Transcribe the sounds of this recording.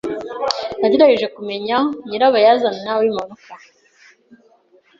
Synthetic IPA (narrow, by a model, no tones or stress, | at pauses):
naɟeɾaɡeʒe̞kume̞ɲaɲiɾaβajazannawimaduka